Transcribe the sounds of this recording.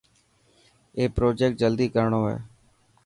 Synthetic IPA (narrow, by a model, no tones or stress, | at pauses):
eːpɾoːd͡ʒeːkʈ̚d͡ʒəld̪iːkəɾɳoːɦɛ̰ː